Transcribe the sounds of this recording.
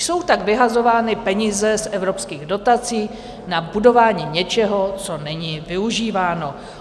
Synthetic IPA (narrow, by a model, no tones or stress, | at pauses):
so̞wt̪aɡvɪɦazo̞vaːnɪpɛɲizɛsʔɛvɾo̞pskiːɣdo̞t̪at͡siː | nabudo̞vaːɲiːɲɛt͡ʃɛɦo̞t͡so̞nɛɲivɪuʒiːvaːno̞